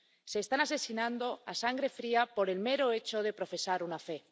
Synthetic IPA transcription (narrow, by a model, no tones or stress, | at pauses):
se̞ːst̪anase̞sinãnd̪o̞asaŋɡɾe̞fɾiapo̞ɾe̞lme̞ɾo̞e̞t͡ʃo̞ð̞e̞pɾo̞fe̞saɾunafe̞